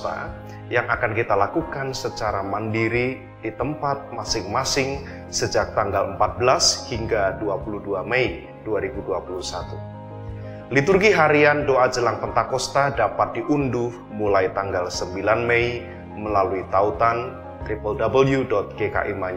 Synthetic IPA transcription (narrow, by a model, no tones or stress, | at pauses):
t̪a̰ | jaŋʔakankit̪alakukansət͡ʃaɾamandiɾi | d̥it̪əmpat̪̚masɪŋmasɪŋ | səd͡ʒak̚t̪aŋɡaləmpat̪̚bəlashiŋɡaduapuluduamei | d̥uaɾibuduapulusat̪u | lit̪urɡiɦaɾiandoʔad͡ʒəlaŋt̪ənt̪akɔst̪adapat̪̚diʔunduh | mulajt̪aŋɡalsəmbilanmei | məlaluit̪aut̪an | t̪ɾipəldabəljudɔt̪̚keka̰ʔimaɲ